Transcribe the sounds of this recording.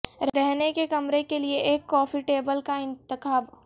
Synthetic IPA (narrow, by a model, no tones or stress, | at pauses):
ɾɾɛɦnekekɐmɾekelieʔeːkːɔ̃ːfiʈeːbəlkaɪ̃nt̪ɪkaːb